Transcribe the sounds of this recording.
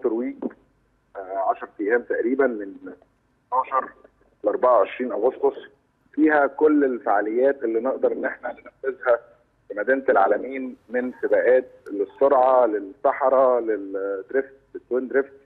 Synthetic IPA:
t̪ɾwiːɡ | ʕɑʃɑɾˤt̪ijːæːmt̪æʔɾiːbænmen | t̪ɑːʃɑɾˤ | lʔɑɾˤbɑʕawʕeʃɾiːnʔæɣost̪osˤ | fiːhækolːelfaʕalejːæːt̪ʔelːiːneʔd̪ɑɾˤʔenːʔeħnænenæfːezhæ | femæd̪iːnelʕa̰ːlæmiːnmensebæːʔæːt̪̚lesːoɾʕɑlesːɑħɑɾˤɑled̪ɾeft̪̚let̪ːweːnd̪ɾeft̪̚

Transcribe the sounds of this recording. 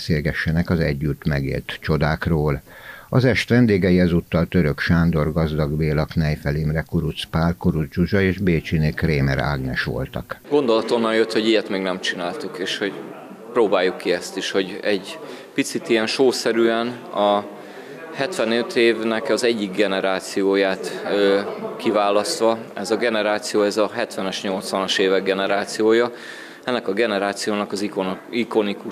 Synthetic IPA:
seːlɡɛʃːɛnɛkɒzɛɟːyt̪mɛɡḛːlt̪t͡ʃo̞d̪aːkroːlɒzɛʃt̪ʋɛnd̪eːɡɛjiɛzut̪ːɒlt̪øɾøkʃaːnd̪o̞rɡɒzd̪ɒɡbeːlɒknɛjfɛlimrɛkuɾut̪spaːrkuɾud͡ʒuʒɒeːʒbeːt͡ʃinekreːmɛ̰ɾa̰ːɡnɛ̰ʃʋo̞̰lt̪ɒ̰kɡ̥o̞nd̪o̞lɒt̪o̞nːɒnjøt̪ho̞ɟijɛt̪mɛːɡnɛmt͡ʃinaːlt̪ukeːʃho̞ɟ | proːbaːjːukːiɛst̪iʃho̞ɟɛɟ | pit̪sit̪ijɛnʃoːsɛɾyːɛnɒ | hɛt̪ʋɛnøt̪ʰeːvnɛkɒzɛɟːiɡɡɛnɛɾaːt̪sijoːjaːt̪økivaːlɒst̪ʋɒɛzɒɡɛnɛɾaːt̪sijoːɛzɒɦɛt̪ʋɛnɛʃɲo̞lt̪sʋɒnɒʃeːvɛɡːɛnɛɾaːt̪sijoːjɒ | ɛnːɛkɒɡɛnɛɾaːt̪sijoːnɒkɒzikoiko̞niku

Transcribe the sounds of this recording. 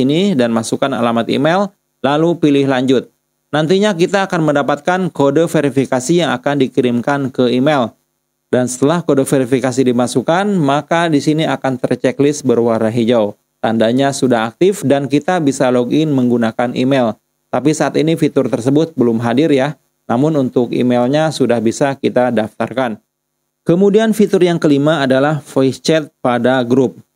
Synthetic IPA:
inidanmasukana̰lamat̪ḭmel | lalupilɪhlaɲd͡ʒʊt̪̚ | nant̪iɲak̬it̪aːkanməndapat̪̚kankodəfeɾifikasijaŋakandikiɾɪmkankəimel | dansə̥t̪əlahkodofeɾifikasidimasukanmakadisiniakant̪ərt͡ʃɛklɪsbərwaɾaɦid͡ʒaw | t̪andaɲasudaɦak̚t̪ɪfdankit̪abisaloɡɪnməŋɡunakanʔḭmɛl | t̪apisaʔːt̪inifit̪ʊrt̪ərsəbʊt̪̚bəlʊmɦadɪrja | namʊnunt̪ʊkḭmelɲasudahbisakit̪adaft̪a̰rkan | kəmudianfit̪ʊrjaŋkəlimaːdalahfojt͡ʃɛt̪̚padaɡɾʊp̚

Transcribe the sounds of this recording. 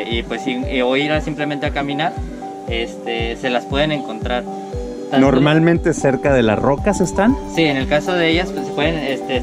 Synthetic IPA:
ipwe̞sioiɾasimple̞ment̪eakamĩnaɾ | e̞st̪ese̞laspwe̞ð̞e̞ne̞ŋko̞nt̪ɾaɾ | t̪anoɾmalmẽ̞nt̪e̞se̞ɾkaðe̞la̰sro̞kase̞st̪ansiene̞lkaso̞ð̞e̞eʝaspwesepwe̞ðenest̪e

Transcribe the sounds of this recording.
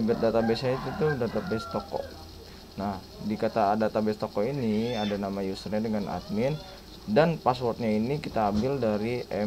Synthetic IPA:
bt̪̚dat̪abesait̪ut̪udat̪abɛst̪ɔkɔ̰ | nah | dikat̪adat̪abɛst̪ɔkɔiniadanamajusərɲadəŋana̰t̪̚mɪn | danpaswɔrt̪̚ɲainikit̪aːmbɪldaɾiʔɛ

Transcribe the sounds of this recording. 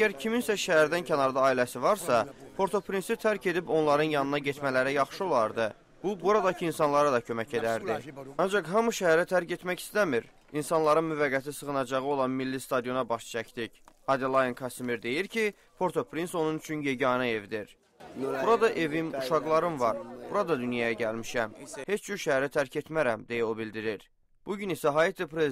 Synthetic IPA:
æɟæɾcʰiminsæʃæɦæɾd̪æncʰænɑɾd̪ɑːilæsivɑɾsɑpʰo̞ɾt̪ʰo̞pɾinsit̪ʰæɾcʰe̞d̪ipo̞nlˠɑɾɯnjɑnɯnɑɟet̪ʰmælæɾæjɑχʃɯo̞lˠɑɾd̪ɯ | b̥ubuɾɑd̪ɑcʰiinsɑnlˠɑɾɑd̪ɑcʰø̞mæce̞d̪æɾd̪iɑnd͡ʒɑqɦɑmuʃæɦæɾæt̪ʰæɾce̞t̪mæci̥st̪æmiɾ | insɑnlˠɑɾɯnmyvæɡːæt̪isɯɣɯnɑd͡ʒɑʁɯo̞lˠɑnmilːist̪ɑd̪ijo̞nɑbɑʃt͡ʃʰæcd̪icɑd̪elˠɑjonkʰɑsimiɾd̪e̞jiɾcʰi | pʰo̞ɾt̪ʰopʰɾinso̞nunyt͡ʃʰynje̞ɟiɑnɑe̞vd̪iɾ | buɾɑd̪ɑʔe̞vimuʃɑɣlˠɑɾɯnvɑɾbuɾɑd̪ɑd̪ynjɑjæɟælmiʃæmhet͡ʃɟyɾʃæɦæɾæt̪ʰæɾcʰe̞t̪mæɾæmd̪e̞jæo̞bild̪iɾiɾ | b̥uɟynisæɦɑːjit̪ʰipɾe

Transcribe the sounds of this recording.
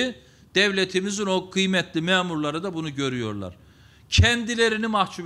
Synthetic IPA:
d̪̥ɛvlʲet̪ʰimizino̞kʰɯjmɛt̪ʰlʲimɛːmuɾlˠaɾɯd̪abunuɟø̞ɾyjo̞̰ɾlˠa̰ɾ̥ | cʰɛnd̪ilʲeɾinimaht͡ʃʰuv

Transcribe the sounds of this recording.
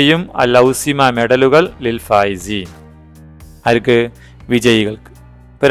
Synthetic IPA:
ejumɐ̰lɐwsimameɽɐluɣɐɭːilfaːjisi | ɐɾkɨ | ʋid͡ʑɐjiɣɐɭk | pɐɾ

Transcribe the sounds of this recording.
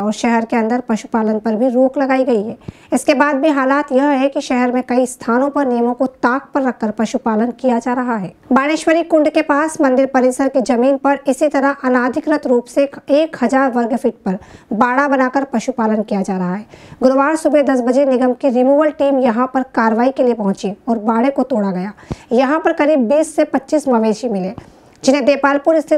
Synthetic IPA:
ɔːɾʃɛɦɛɾkeɐ̃nd̪əɾpɐʃu̥paːlənpɐɾbʱiɾoːklɐɡaːiɡɐiɦɛː | ɪskebaːd̪̚bʱiɦaːlaːt̪jɐɦɦɛkiʃɛɦɛɾmẽkɐist̪ʰaːnõpɐɾnijəmõkot̪aːk̚pɐɾːɐkːəɾpɐʃupaːlənkijad͡ʒaːɾɐɦaɦɛːbaːɽeːʃwəɾikʊ̃ɳɖkepaːsmɐ̃nd̪ɪɾpɐɾɪsəɾkid͡ʒɐmiːnpɐɾɪsit̪ɐɾəɦʔɐnaːd̪ʱɪkɾət̪ɾuːpseeːkhɐzaːɾʋɐɾɡfʰɪːʈ̚pɐɾbaːɽabɐnaːkəɾpɐʃupaːlənkijad͡ʒaːɾɐɦaɦɛːɡʊɾʋaːɽsʊbed̪ɐsbɐd͡ʒenɪɡəmkiɾɪmjuːʋəlʈiːmjɐɦãpɐɾkaːɾəʋaːikelijepɐɦʊ̃t͡ʃiɔːɾbaːɽekot̪oːɽaɡɐjaːjɐɦãpɐɾkɐɾiːbːiːsːepɐtːʃismɐʋeːʃimɪle | d͡ʒɪnẽd̪eːpaːlpʊɾɪst̪ʰɪ

